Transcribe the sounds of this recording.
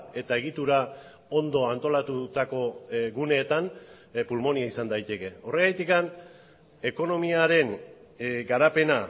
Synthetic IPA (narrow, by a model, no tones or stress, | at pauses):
e̞t̪ae̞ɣ̞it̪uɾa | o̞nd̪o̞ant̪o̞lat̪ut̪ako̞ɣune̞ːt̪an | pulmo̞niaisand̪ajt̪e̞ke̞o̞re̞ɣajt̪ikan | e̞ko̞no̞miaɾe̞n | ɡaɾape̞na